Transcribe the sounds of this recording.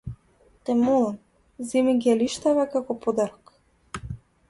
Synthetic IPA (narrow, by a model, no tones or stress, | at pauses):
t̪ɛmulan | zɛmiɡaliʃt̪avakakɔpɔd̪aɾɔk